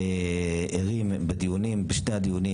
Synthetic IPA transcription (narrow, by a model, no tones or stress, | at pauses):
eeʁimbed̪ijunimbeʃnead̪ijuni